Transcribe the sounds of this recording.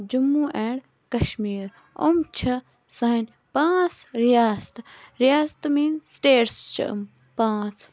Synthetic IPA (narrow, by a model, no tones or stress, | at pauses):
d͡ʒumːuːʔẽːɽ | kɐʃmiːɾ | o̰mt͡ʃʰɐ | sɐɦɐnʲ | pãːt͡sʰɾijaːst̪ɾijaːst̪miːnsʈeːɾst͡ʃʰɐ̰m | pãːt͡sʰ